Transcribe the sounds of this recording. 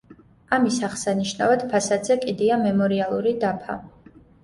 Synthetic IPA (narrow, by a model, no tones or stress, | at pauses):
amisaχsaniʃnavad̪̥pʰasad̪zɛkʼid̪iamɛmɔɾialˠuɾid̪apʰa̰